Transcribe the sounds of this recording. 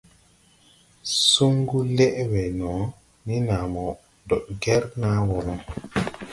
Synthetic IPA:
su˦ŋɡu˦lɛ˦ʔwɛ˨nɔ˨˦ | ni˦na˨mɔ˨ | dɔ˨t̚ɡɛ˦ɾna˦wɔ˨lɔ˦ŋ

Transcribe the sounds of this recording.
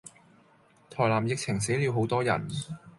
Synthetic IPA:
t̪ʰɔː˨˩jlaː˨˩mjɪ˨k̚t͡sʰɪ˨˩ŋs̬e˨˥jli˨˧wɦo˨˧˥wt̪ɔː˥jɐ̰˨˩n

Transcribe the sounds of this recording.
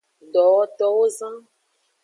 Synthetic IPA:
ɖɔ˨wɔ˦t̪ɔ˦wo˦zã˦

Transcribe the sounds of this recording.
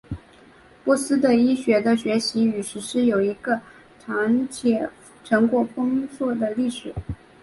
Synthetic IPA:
pwɔ˥˩sɹ̩˥d̪ə˨i˥ɕɥɛ˧˥d̪ə˧ɕɥɛ˧˥ɕi˧˥y˨˩ʂɻ̩˧˥ʂɻ̩˥jo˨˩ʊi˧˥ɡə˧ | ʈ͡ʂʰa˧˥ŋt͡ɕʰjɛ˨˩ | ʈ͡ʂʰɤ˧˥ŋkwɔ˥˩pʰɤ˥ŋswɔ˥˩d̪ə˩li˥˩ʂɻ̩˨˩˦

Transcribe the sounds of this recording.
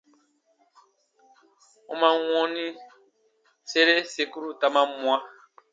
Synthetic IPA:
õ˦mã˦w̃ɔ̃˦nĩ˦ | se˦ɾe˦se˨ku˦ɾu˦ta˨mã˦mũ˦a˦

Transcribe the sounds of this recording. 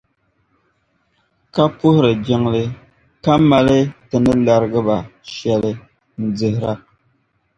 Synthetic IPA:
ka˦pu˦hɾə˨d͡ʒɛ˦ŋle˦ | ka˦ma˦le˦tə˨nə˦la˨ɾɡə˦ba˨ʃjɛ˨lə˨ | n̩˨d͡zə˨hɾa˦˨k̚

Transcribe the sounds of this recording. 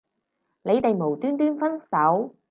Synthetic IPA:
le˨˧jt̪e˨jmo˨˩wt̪yː˥nt̪yː˥nfɐ˥nsɐ˨˥w

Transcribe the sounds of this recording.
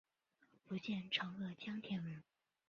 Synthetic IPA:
pu˧˥t͡ɕjɛ˥˩nʈ͡ʂʰɤ˧˥ŋɤ˥˩t͡ɕjɑ˥ŋt̪ʰjɛ˧˥nwə˧˥n

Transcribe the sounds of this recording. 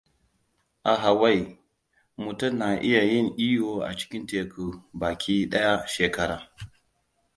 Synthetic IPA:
ʔa˨ɦa˨wa˦˨j | mu˨tʊ˦˨mna˨ʔɪ˦ja˨jɪ˦˨ŋʔiː˦joː˨ʔa̰˨t͡ʃɪ̥˦kʲɪ˦nteː˨ku˨baː˨kʲiː˦ɗɐ˦ja˦ʃeː˨kɐ˦ɾaː˨

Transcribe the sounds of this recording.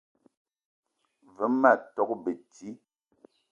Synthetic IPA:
və˨˦ma˦˨tɔ˨˦k̚bə˨ti˦

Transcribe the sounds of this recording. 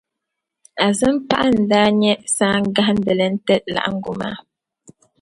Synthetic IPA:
a˨zɨ˦mpa˦ʔa˦n̩˨daː˦ɲɛ˦saː˦ŋ˦ɡa˦hn̩˦də˨lə˦n˦tɛ˦la̰˨ʔa̰˦ŋ̩˦ɡu˨ma̰ː˦

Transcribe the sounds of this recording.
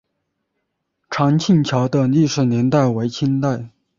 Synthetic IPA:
ʈ͡ʂʰɑ˧˥ŋt͡ɕʰi˥˩nt͡ɕʰjɑ˧˥ʊd̪ə˧li˥˩ʂɻ̩˨˩njɛ˧˥nt̪a˥˩ɪwe˧˥ɪt͡ɕʰi˥nt̪a˥˩ɪ

